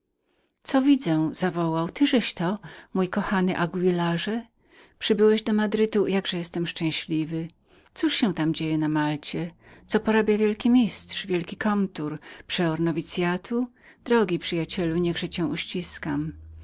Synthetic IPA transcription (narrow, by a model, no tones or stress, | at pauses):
t̪sɔvʲid̪zɛz̥avɔwawt̪ɘʐɛɕt̪ɔmujkɔxanɘʔaɡwilaʐɛ | pʂɘbɘwɛʑd̪ɔmad̪ɾɘt̪ujaɡʐɛjɛst̪ɛmʂt͡ʂɛ̃ɕlʲivɘ | t̪suʂɕɛ̃w̃t̪amd͡ʑejɛnamalt͡ɕɛ | t̪sɔpɔɾabʲjavʲjɛlkʲimʲist̪ʂvʲjɛlkʲikʰɔnt̪uɾpʂɛɔɾnɔvʲit̪sʲjat̪ʰu | d̪̥ɾɔɡʲipʂɘjat͡ɕɛluɲɛɡʐɛt͡ɕɛ̃w̃uɕt͡ɕiskam